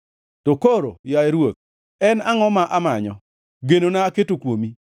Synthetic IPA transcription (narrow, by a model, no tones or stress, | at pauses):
tokoɾo̰jaeɾwok̚ | ɛnaŋɔmaʔamaɲɔ̰ | ɡenonaːketokwomi